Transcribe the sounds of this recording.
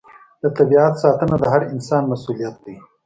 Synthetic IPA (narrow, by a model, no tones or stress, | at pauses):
d̪ət̪abiat̪sɑːt̪ənad̪əɦaɾɪnsɑːnmasulijɐt̪̚d̪ij